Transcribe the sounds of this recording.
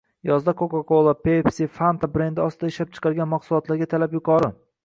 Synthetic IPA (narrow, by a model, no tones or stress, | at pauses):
jɒzd̪akʰokakolˠapepsifant̪ʰabɾend̪ɪɒst̪ʰɪd̪aɪʃlap̚t͡ʃʰɨ̥qʰɑɾɡʲanmɑqsʊlˠɒt̪laɾɡʲat̪ʰalapjʊqʰɒɾɪ